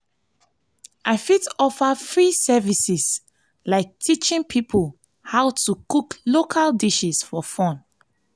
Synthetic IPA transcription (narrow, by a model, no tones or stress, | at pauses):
ʔaɪfitɔfafɹisɛvisis | laɪk̚tʰit͡ʃĩŋpʰipʰul | haʊtukuklokʰaldiʃisfɔfɔ̃n